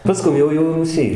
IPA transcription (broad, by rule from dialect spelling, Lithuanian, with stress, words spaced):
pɐˈskʊm jɛʊ jɛʊ ruːˈsʲiː